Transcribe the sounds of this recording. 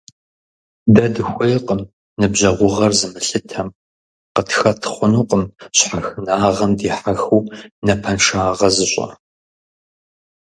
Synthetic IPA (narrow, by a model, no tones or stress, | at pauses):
dɐdɨxʷɐjqʼəm | nɨbʑɐʁʷʊʁɐrzɨmɨɬɨtʰɐm | qətʰxɐtʰχʷʊnuːqʼəmɕħaxɨnaːʁɐmdiːħaxuwnɐpʰɐnʃaːʁɐzɨɕʷʼɐ̰